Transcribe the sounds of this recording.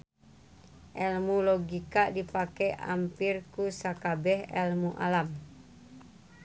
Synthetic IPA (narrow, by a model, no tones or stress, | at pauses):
ʔɛlmuloɡikaʔdipakɛʔa̰mpirkusakabɛhɛlmuʔa̰lam